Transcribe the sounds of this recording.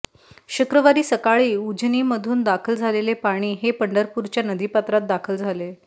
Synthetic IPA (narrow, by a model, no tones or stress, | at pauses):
ɕukɾəʋaɾiːsəkaɭiːud͡ʑniːməd̪ʱuːnd̪akʰəld͡zʱalelepaɽ̃iːɦepəɳɖəɾpuɾt͡ɕjanəd̪ʱiːpat̪ɾat̪̚d̪akʰəld͡zʱale